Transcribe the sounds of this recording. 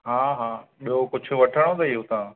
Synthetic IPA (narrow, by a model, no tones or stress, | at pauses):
ɦaːɦaːɓiɦokʊd͡ʑʱʰʊ̆ʋɐʈʰəɽ̃õd̪iɦut̪ãː